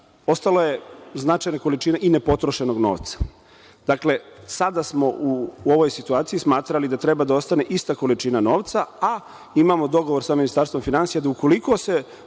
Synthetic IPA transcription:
o̞st̪aloje̞znat͡ʃajnako̞lit͡ʃinaʔinepo̞t̪ɾoʃe̞noɡno̰ːʋt̪sḁ | d̪̥akle̞sad̪asmo̞uo̞ʋo̞jsit̪uaːt̪sijismaːt̪ɾalid̪at̪ɾe̞bad̪ao̞st̪ane̞ʔist̪ako̞lit͡ʃinano̞ːʋt̪saa | imamo̞d̪o̞ɡo̞ʋo̞ɾsaminist̪aɾst̪ʋo̞mfinansijad̪auko̞likose

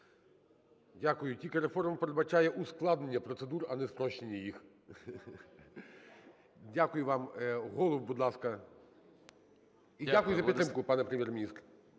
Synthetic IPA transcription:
dʲakʊjʊtʲilʲkɪɾefɔrmpeɾed̪bɐt͡ʃajɛʔʊsklˠɑd̪nenʲːɐpɾɔt̪sed̪uɾɐnɛspɾɔʃt͡ʃenʲːɐjix | dʲakʊjʊʋɑmɦɔlˠɔwbud̪lˠɑskɐ | iakʊjʊzɐpit̪ɾɪmkʊpɑnɛpɾemʲjɛrmʲnʲist̪ɾ

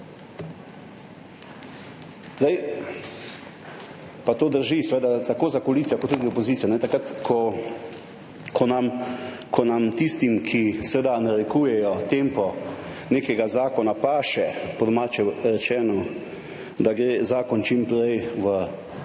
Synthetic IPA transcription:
zd̪aj | pat̪oːd̪əɾʒisɛʋeːd̪at̪akoːzakoliːt̪sijakoɔt̪ːud̪iɔpɔziːt̪sijanɛt̪akɾat̪kʰɔ | kʰɔnamkʰɔnamt̪ist̪imkʰisɛʋed̪anaɾɛkuːjɛjɔt̪empɔneːkɛɡazaːkɔnapaːʃɛpɔd̪ɔmaːt͡ʃɛɾɛt͡ʃɛːnɔ | d̪aɡɾeːzaːkɔnt͡ʃimpɾɛjʋə

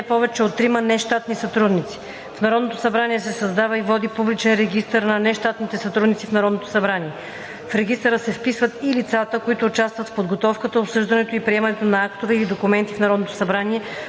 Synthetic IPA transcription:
napɔvɛt͡ʃɛot̪ːɾimənɛʃt̪at̪nisɐt̪ɾud̪nit̪si̥ | fnɐɾɔd̪not̪o̥sɐbɾaniɛsɛsɐzd̪avəivɔd̪ipublit͡ʃɛnɾɛɡist̪əɾnɐnɛʃt̪at̪nit̪ɛsɐt̪ɾud̪nit̪sifnɐɾɔd̪not̪o̥sɐbɾaniɛ | fɾɛɡist̪əɾəsɛfpisvət̪ilit̪sat̪əkoit̪ʊːt͡ʃast̪vət̪fpod̪ɡot̪ɔfkət̪əopsɤʒd̪ɐnɛt̪oipɾiɛmɐnɛt̪onɐakt̪ovɛilid̪okumɛnt̪ifnɐɾɔd̪not̪o̥sɐbɾaniɛ

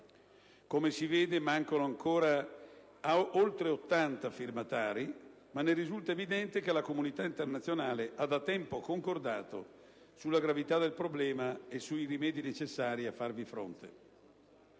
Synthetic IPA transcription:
komesiveːd̪emaŋkonoaŋkoːɾa | aolt̪ɾeot̪ːant̪afirmat̪aːɾi | manːeɾizult̪aevid̪ɛnt̪ek̟elakomunit̪aint̪ernat̪sːjonaːleʔad̪at̪ɛmpokoŋkord̪aːt̪o̰ | sulːaɡɾavit̪ad̪elpɾoblɛːmaesuirimɛːd̪inet͡ʃesːaːɾiafːarvifɾo̰nt̪ḛ

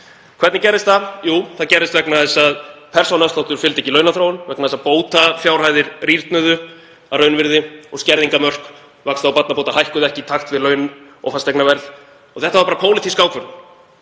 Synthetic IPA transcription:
kʰvɛɾt̪nɪcɛɾɪst̪θajuːθaðcɛɾɪst̪vɛknaðɛsaðpʰɛr̥sownasawt̪ʏɾfɪlt̪ɛcːɪlœːɥnaθɾoːwʏnvɛknaɛsaðpoːwt̪afjawrhaːjðɪɾ̥riɾt̪nʏðʏ | arœɥnvɪɾðɪɔɣscɛɾðiŋkamœr̥k | vakst̪aawpat̪napowt̪aɦajhkʏðɛhcɪt̪ʰaxt̪vɪlœːɥnʏ | ɔ̰ɣfast̪ɛjknavɛɾð̥ | ɔ̰ɣθɛht̪avaɾpaːɾapʰoːwlɪt̪ʰiskawkʰvœɾʏ

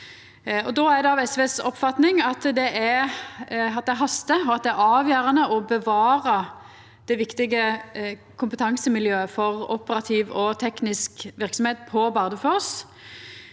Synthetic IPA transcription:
ɔd̪oːæʁd̪ɛɑʋɛsʋeːsɔ̰pːfɑt̪nɪŋɑt̪d̪ɛʔæ | ɑt̪̚d̪ɛæɾɦɑst̪əɔɑt̪̚d̪ɛæɾɑːʋjøːɾənəʔɔbəʋɑːʁɑ | d̪̥ɛʋɪkt̪ɪɡə | kʰʊmpət̪ʰɑŋsəmɪljøːəfɔʁʊpəɾɑt̪ʰiːʋɔt̪ʰɛknɪskʋɪɾksɔmheːt̪̚pʰɔbɑʁd̪əfoʁs

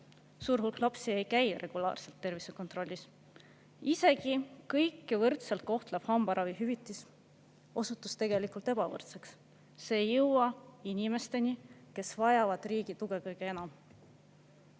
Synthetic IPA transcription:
suːɾɦulklɑpsie̞jkæjrʔe̞ɡ̥ulɑ̰ːrse̞lt̪ːe̞rvisekont̪ˑro̞lʲːis | ise̞kikɤjkːˑevɤrt̪selt̪̚ko̞ht̪leb̥hɑmbɑɾʔɑviɦyvit̪ːˑis | o̞sut̪ːˑust̪e̞ɡ̥e̞likult̪e̞b̥ɑvɤ̰rt̪seksː | e̞ːjɤwwɑinʲime̞st̪e̞nike̞svɑjɑvɑd̪̥riːɡ̥it̪uɡ̥ekɤjɡ̥ee̞nɑm

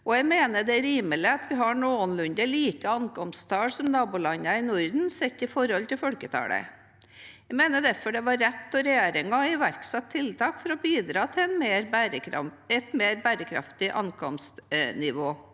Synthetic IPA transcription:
ʔɔjæɪmeːnəɖ̪ɛɾiːmələɑt̪ʋɪɦɑɳoːənlʉnd̪əliːkəɑŋkɔmst̪ʰɑːlsɔmnɑːbʊlɑɲːɑɪnɔɾd̪n̩sɛt̪ːɪfɔɾhɔlt̪ɪlfɔlkət̪ʰɑ̰ːɽə̰ | æɪmeːnəɖ̪æɾfɔɖɛʋɑɾːɛt̪ːɔɾɛjeːɾɪŋɑɪʋæɾksɑt̪ʰːɪlt̪ʰɑːkfɔɾɔbiːd̪ɾɑːt̪ʰɪɛnmeːɾɾəɛt̪meːɾbæɾəkʰɾɑ̰ft̪ɪʔɑ̰ŋkʰɔmst̪nɪʋoː

